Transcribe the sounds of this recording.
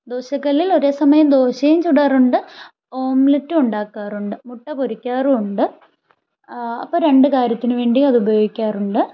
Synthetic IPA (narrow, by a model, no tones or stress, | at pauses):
d̪o̞ːɕɐkːɐlːilo̞ɾe̞ːsɐmɐjɐmd̪o̞ːɕɐjumt͡ɕuɽaːruɳɖɨ | oːmlitːɨuɳɖaːkːaːruɳɖɨmuʈːɐpoɾukʲːaːrɨuɳɖɨ | ɐ̰pːoːɾe̞ɳɖɨkaːɾjɐt̪ːinɨʋe̞ːɳɖiɐðubɐjo̞ːɡikʲːaːruɳɖɨ